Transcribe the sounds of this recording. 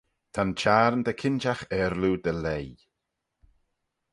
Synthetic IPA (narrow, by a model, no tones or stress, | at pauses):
t̪ʰant͡ʃaːɾnd̪əkʰɪnt͡ʃaxɛɾlud̪əlej